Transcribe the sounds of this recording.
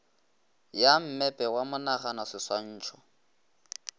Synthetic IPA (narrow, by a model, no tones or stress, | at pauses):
jam̩mɛpʼɛwamʊnaχanɔsɪswan̩ːt͡ʃʰɔ̥